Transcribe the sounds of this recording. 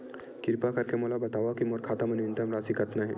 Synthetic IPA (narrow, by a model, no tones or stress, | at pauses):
kɪɾpakɐɾkemoːlabɐt̪aːʋakimoːɾkʰaːt̪amɐnʋɪ̃nt̪ɐmɾaːsikɐt̪naɦɛ̰ː